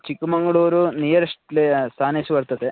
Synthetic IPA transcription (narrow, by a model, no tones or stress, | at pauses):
t͡ʃikːumɐŋɡɐɭoːɾunijɐɾɐʂʈlest̪ʰaːnesuʋɐɾt̪ɐt̪e